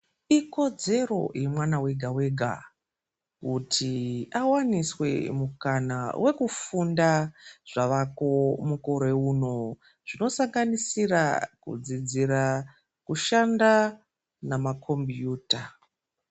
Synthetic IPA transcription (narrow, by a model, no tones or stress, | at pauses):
iko̞d͡ze̞ro̞̰jemwanawe̞ɡʱawe̞ɡʱa̰ | kutʰiawaniswe̞̰mukanawʔe̞kufundaʐ̥aʋako̞muko̞ɾe̞uno̞ | ʐ̥ino̞saŋɡanisira̰kṵd͡zid͡ziɾa | kuʃanda | namakʰo̞mbjuːta